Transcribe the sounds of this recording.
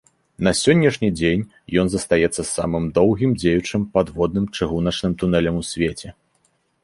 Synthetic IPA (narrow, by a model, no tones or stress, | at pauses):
nɐsʲɔnʲːɐʂnʲid͡zʲenʲ | jɔnzɐst̪ajɛt̪sːɐsa̰mɨmd̪ɔwɣʲimd͡zʲejut͡ʂɨmpad̪vɔd̪nɨmt͡ʂɨɣunɐt͡ʂnɨmt̪un̪ɛlʲɐmusʲvʲet͡sʲɛ